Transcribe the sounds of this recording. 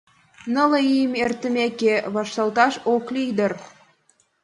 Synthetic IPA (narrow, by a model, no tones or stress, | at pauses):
nələijmert̪ə̆mekeβɑʃt̪ɑlt̪ɑʃoklijd̪ər